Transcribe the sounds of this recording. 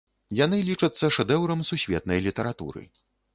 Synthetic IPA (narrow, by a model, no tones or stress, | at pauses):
janɨlʲit͡ʂɐt̪sːɐʂɛd̪ɛwɾɐmsusʲvʲɛt̪nɐjlʲit̪ɐɾat̪ṵɾɨ̰